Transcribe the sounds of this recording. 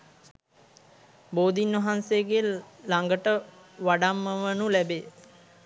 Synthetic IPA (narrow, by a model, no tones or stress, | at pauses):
boːd̪inʋɐɦanseːɡe | laŋɡəʈə | ʋaɖamːəʋənulæbe